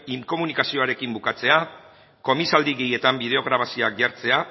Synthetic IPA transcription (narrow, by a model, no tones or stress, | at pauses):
iŋko̞munikasio̞aɾe̞kimbukat͡se̞a | ko̞misald̪iɣe̞je̞t̪ambið̞e̞o̞ɣ̞ɾaβasio̞akʝaɾt͡se̞a